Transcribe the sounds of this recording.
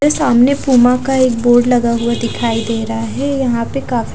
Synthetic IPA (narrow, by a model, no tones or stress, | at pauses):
esaːmnepuːmãkaeːk̚boːɾɖlɐɡaɦʊad̪ɪkʰaːid̪eːɾɐɦaɦɛjɐɦãpekaːf